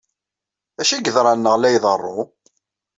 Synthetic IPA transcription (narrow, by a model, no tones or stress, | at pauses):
æʃiɡəðɾˤɑnːəʁlæjðˤərˤːo